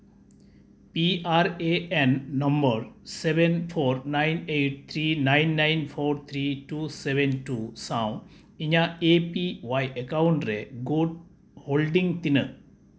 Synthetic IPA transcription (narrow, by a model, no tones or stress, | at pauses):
piaɾeenːʌmbəɾsebenpʰoːɾnajneʈ̚t̪ʰɾinajnːajnpʰoɾt̪ʰɾiʈusebenʈusãw̃ | iɲaepiʋajʔekawuɳʈɾeɡoɖ̚ | holɖĩŋt̪inə